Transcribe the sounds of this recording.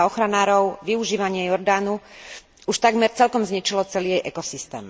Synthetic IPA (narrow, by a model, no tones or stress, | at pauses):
ɔxɾanaːɾɔʊʋiuʒiːʋaɲɪɛjɔɾd̪aːnu | uʃt̪aɡmɛɾt͡sɛlkɔmzɲit͡ʃilɔt͡sɛlijɛjʔɛkɔsist̪ɛ̰ːm